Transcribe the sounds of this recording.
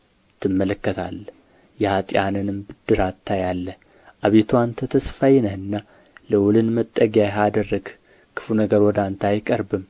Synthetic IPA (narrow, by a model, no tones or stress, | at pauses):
t̪ʰːɨmːələkːət̪ʰa̰lː | jɛhat̪ʼijanɨnɨmbɨd̪̥ːɨɾat̪ʰːajalːəh | ʔaβet̪ʰuant̪ʰət̪ʰəsfajnəhɨnːa | ləwʊlɨnmət̪ʼːəɡijajɦad̪ərːəɡ | kʰɨ̥funəɡəɾwɔd̪ant̪ʰajkʼəɾbɨm